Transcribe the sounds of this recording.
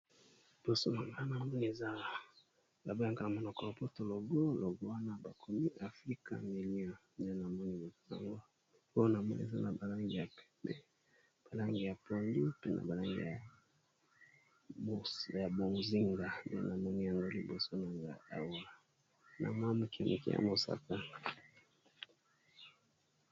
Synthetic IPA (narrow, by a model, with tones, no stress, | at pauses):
i˨b̥o˨so˦na˨ŋɡa˦na˨mɔ˦ni˨e˨za˦˨ | la˨bo˦a˨ŋka˨la˨mo˨no˨ko˨lo˨po˦to˨lo˨ɡo˦lo˨ɡo˦wa˦na˦ba˨kʰo˨mi˦ʔa˨fʁi˦ka̰˨mi˨li˦ɔ˨m˨a˦na˨mɔ˦ni˦bo˨sa̰˨ŋɡo˦ | o˦jo˦na˨mɔ˦nḭḛ˨za˦na˨ba˨la˦ŋɡi˨ja˨pɛ̥˨˦pɛ˦ | b̥a˨la˦ŋɡi˨ja˨po˨ndi˦pe˦nʔa̰˨ba˨la˦ŋɡḭ˨ja˨ | ja˨bo˨zi˦ŋɡa˨mḭ˦a̰˦na˨mɔ˦ni˨ja˨ŋɡo˦li˨bo˨so˦na˨ŋɡa̰˨a̰˨wo˦la˨ | nʔa̰˨mwa˦mu˨ki˨mʔḭ˨kḭ˦ja̰˨mo˨sa̰˨ka˦